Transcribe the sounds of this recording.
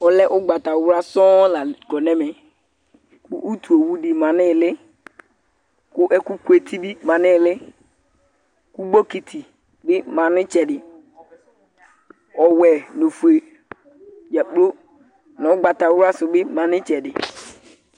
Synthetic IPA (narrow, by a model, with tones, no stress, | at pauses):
ɔ˨lɛ˦ʔʊ˦ɡ͡ba˨ta˨˦ɾa˦sɔ̃˦la˨ɡɔ˨nɛ̃˦mɛ˨ | kʊ˦ʔu˦tu˨o˨wu˦dɪ˨mã˨nɪ̃˦˨lɪ˦ | kʊ˦ʔɛ˦ku˦ku˦e˨t̪ʰi˦bi˦mã˨nɪ̃˦˨lɪ˦ | ku˦ɡ͡bo˦ki˨t̪ʰi˨ | bɪ˦mã˨nɪ̃˦t͡ʃɛ˨dɪ˨ | ɔ˨wɛ˨no˨fu˨e˨ | ja˨k͡plo˦ | nã˨ʊ˦ɡ͡ba˨ta˨˦ɾa˦sʊ˨bɪ˦mã˨nɪ̃˦t͡ʃɛ˨dɪ˨